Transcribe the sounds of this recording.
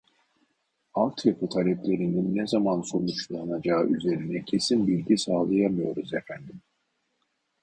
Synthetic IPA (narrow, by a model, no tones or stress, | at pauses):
alˠt̪ʰjapʰɯt̪ʰalʲɛplʲe̞ɾininːɛzamanso̞nut͡ʃlˠanad͡ʒaːɯʔyze̞ɾinɛcʰe̞sinbilʲɟisaːlˠajamɯjo̞ɾuzefænd̪im